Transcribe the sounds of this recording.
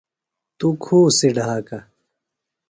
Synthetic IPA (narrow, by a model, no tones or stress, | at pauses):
t̪ukʰuːsiɖʱaːka